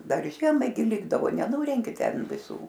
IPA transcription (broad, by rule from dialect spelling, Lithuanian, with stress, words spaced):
ˈdɐr ˈʒʲiɛmɐɪ ɡʲɪ ˈlʲɪɡdɐʋoː nʲɛˈnʊrʲɛŋʲkʲɪ ˈtʲɛn ʋʲɪˈsuː